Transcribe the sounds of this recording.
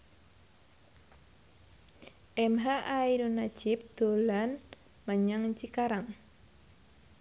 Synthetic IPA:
ʔɛmɦaʔaidunat͡ʃip̚t̪ulan | məɲəŋt͡ʃikaɾaŋ

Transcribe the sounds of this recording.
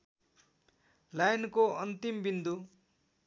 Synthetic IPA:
lajnkoʌnt̪imbind̪u

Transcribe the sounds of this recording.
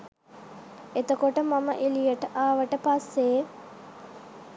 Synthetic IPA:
et̪okoʈəmaməʔilijəʈəʔaːʋəʈəpasːe

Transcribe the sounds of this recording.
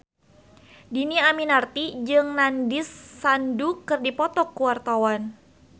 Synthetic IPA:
diniaminart̪id͡ʒɨŋnandɪsːandukɨrdipɔt̪ɔkːuwart̪awan

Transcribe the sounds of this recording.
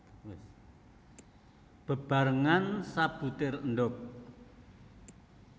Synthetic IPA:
b̥ə̤b̥a̤ɾəŋansab̥ṳt̪ɪrənɖɔk̚

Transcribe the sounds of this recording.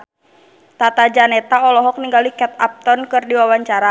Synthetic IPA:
t̪at̪ad͡ʒanɛt̪aɔlɔɦɔk̚niŋɡalikɛt̪̚a̰p̚t̪ɔnkɨrdiwawaɲt͡ʃaɾa

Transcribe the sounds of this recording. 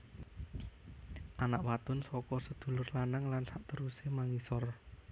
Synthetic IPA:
ʔanaʔwat̪ʊnsɔkɔsəd̪̥ṳlʊrlanaŋlansaʔt̪əɾusemaŋisɔr

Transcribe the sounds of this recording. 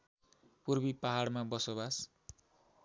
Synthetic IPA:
purbipaɦaɽmabʌsobas

